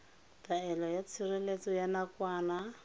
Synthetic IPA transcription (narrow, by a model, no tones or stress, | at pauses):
taɛlɔjat͡sʰɪrelet͡sɔjanakwaːna